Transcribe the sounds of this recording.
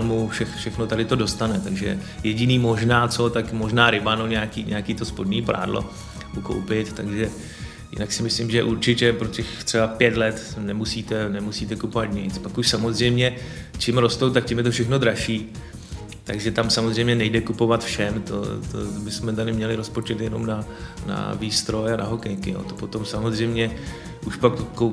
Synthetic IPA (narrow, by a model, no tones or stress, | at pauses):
lmufʃɛxfʃɛxnot̪adɪt̪o̞do̞st̪anɛt̪aɡʒɛ̰ | jɛɟɪniːmo̞ʒnaːt͡sot̪akmoʒnaːɾɪbanoɲɛakiːɲʔɛakiːt̪o̞spodɲiːpɾa̰ːdlo̰ | muko̰wpɪt̪t̪aɡʒɛ | jɪ̰naksɪmɪslɪmʒɛʔuɾt͡ʃɪcɛpɾocɛxt̪r̥ɛbapjɛt̪lɛt̪nɛmusiːt̪ɛnɛmusiːt̪ɛkupovat̪ɲɪt͡spakuʃsamo̞zr̝ɛjmɲɛ | t͡ʃɪmɾo̞st̪owt̪ak̚cɪmjɛt̪ofʃɛxno̞d̪ɾaʃiː | t̪aɡʒɛt̪amsamozrɛjmɲɛnɛjdɛkupo̞vat̪fʃɛmt̪o̰t̪o̰bɪsmɛt̪adɪmɲɛlɪɾospo̞t͡ʃɛt̪jɛno̞mnana̰viːst̪ɾo̞janaɦokɛjkɪjo̰ːt̪opo̞t̪o̞msamozr̝ɛjmɲɛ | ʔuʃpak̪oko